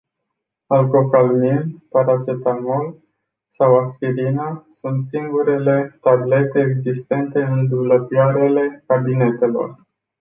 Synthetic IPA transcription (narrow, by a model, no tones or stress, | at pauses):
alko̞kalminpaɾat͡ʃet̪amol | sawaspiɾinasunt̪siŋɡuɾe̞le̞t̪able̞t̪e̞ːɡzist̪e̞nt̪e̞ɨnd̪ubləpiaɾele̞kabine̞t̪e̞lo̞̰r